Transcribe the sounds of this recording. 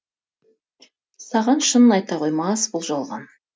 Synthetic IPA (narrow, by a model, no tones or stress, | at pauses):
sɑʁɑnʃənnɑjt̪ɑqʰojmɑsbʊlˠʒɑlˠʁɑ̰n